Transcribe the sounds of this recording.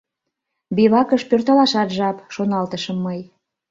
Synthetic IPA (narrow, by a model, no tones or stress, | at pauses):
biβɑkəʃpørt̪ɑlɑʃɑt̪ʒɑpʃonɑlt̪əʃə̆mːɤj